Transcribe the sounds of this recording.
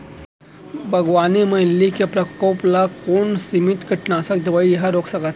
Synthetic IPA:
bʱəɡʋaneməlːikepɾɐkəwplakoɳsimit̪kəʈnaːsakd̪eʋaijɦaɾoksakat̪

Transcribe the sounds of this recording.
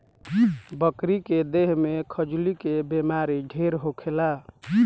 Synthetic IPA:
bəkɾiked̪eɦmekʰəd͡ʒulikebemaɾiɖʱeɾɦokʰela

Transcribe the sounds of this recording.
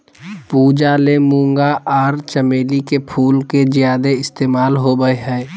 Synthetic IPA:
puːd͡ʒalemũːŋɡaʔaːɾt͡ʃəmeːlikepʰuːlkezjaːd̪eɪst̪eːmaːlɦobəeɦɛː

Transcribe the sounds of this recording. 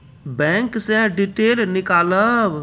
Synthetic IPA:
bɛ̃ːŋksẽɖiʈeːlnɪkaːləb

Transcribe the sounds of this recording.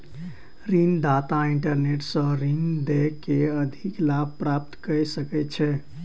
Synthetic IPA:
ɾind̪at̪aiɳʈəɾneʈsə̃ɾind̪ekeəd̪ʱiklab̚ʱpɾap̚t̪kəjsəkɛt͡ʃʰɛ

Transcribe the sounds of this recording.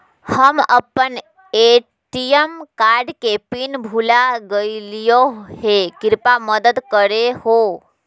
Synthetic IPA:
həmə̰pən | e | ʈijəmkaːɾɖkepinbʱulaɡəilijohekɪɾpaməd̪əd̪kəɾeho

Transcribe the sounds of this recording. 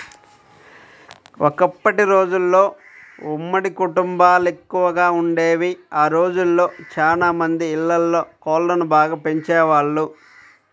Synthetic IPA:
okɐpːɐʈiɾo̞ːd͡ʒulːo̞ː | umːɐɽikuʈumbaːle̞kːuʋɐɡaːuɳɖe̞ːʋiaːɾo̞ːd͡ʒulːo̞ːt͡ʃaːlaːmɐnd̪iːɭːɐlːo̞ːkɔːlːɐnubaːɡaːpe̞ɲt͡ʃɛːʋaːɭːu

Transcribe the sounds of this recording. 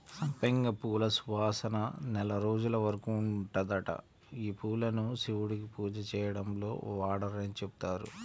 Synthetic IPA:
sɐmpeŋɡɐpuːlɐsuʋaːsɐnɐnɛlɐɾo̞ːd͡ʒulɐʋɐɾɐkuːɳʈɐd̪ɐʈɐ̰ | iːpuːlɐnusiʋuɽikipuːd͡ʒɐt͡ʃɛːjɐɽɐmlo̞̰ːʋaːɽɐɾɐnit͡ʃebu̥t̪aːɾṵ

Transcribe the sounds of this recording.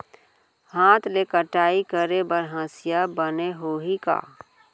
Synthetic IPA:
hãːt̪lekəʈaːikəɾebəɾɦãːsɪjabəneɦoːɦika̰ː

